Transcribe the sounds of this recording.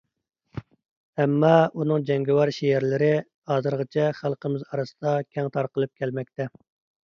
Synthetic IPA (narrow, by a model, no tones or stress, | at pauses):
ɛmːɑunɨŋd͡ʒɛŋɡʲɛwɑɾʃiæɾlɪɾɪ | hɑːzɨɾʁət͡ʃʰɛχælˠqəmɪzɑɾɨsɨd̪ɑkʲʰɛŋt̪ʰɑɾqəlˠɨp̚kʲʰælmɛk̚ʲt̪ɛ